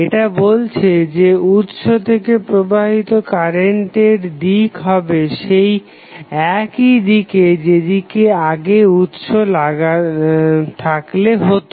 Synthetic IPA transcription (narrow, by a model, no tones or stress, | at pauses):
eʈabolt͡ɕʰed͡ʑeut̪ʃot̪ʰekepɾobaɦit̪okaɾeɳʈeɾd̪ikɦɔbeʃej | ɛkid̪iked͡ʑed̪ikeaɡeut̪ʃolaɡa | t̪ʰakleɦot̪o